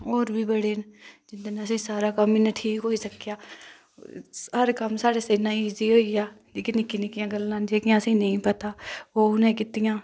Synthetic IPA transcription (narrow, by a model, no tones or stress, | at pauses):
oːɾbʱiːbəɽeːnd͡ʒɪnd̪nəsẽːsaːɾaːkəmɪnəʈʰiːkɦoːisəkːjaː | ɦəɾkəmsaːɽeːseːnãːiːziɦoːijaː | d͡ʒikɪnɪkinɪkɪjãːɡəlːãːnd͡ʒeːkɪjãːəsĩːnəĩːpət̪aːoːʊnẽːkɪt̪ɪjãː